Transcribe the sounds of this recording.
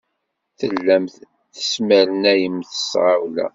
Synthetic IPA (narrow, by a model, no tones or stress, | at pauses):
θəlːæmθ | θə̥sməɾənæjəmθə̥sʁawlæ̰